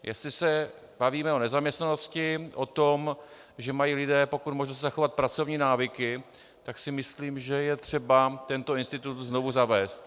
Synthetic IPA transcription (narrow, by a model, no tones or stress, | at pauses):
jʔɛ̰st̪lɪsɛ | b̥aviːmɛo̞nɛzamɲɛst̪nano̞scɪʔot̪o̞m | ʒɛmajiːlɪdɛːpo̞kut̪mo̞ʒnost̪zaxo̞vat̪̚pɾat͡so̞vɲiːnaːvɪkɪ | t̪aksɪmɪsliːmʒɛjɛt̪r̝̥ɛbat̪ɛnt̪o̞ɪnst̪ɪt̪ut̪zno̞vuzavɛːst̪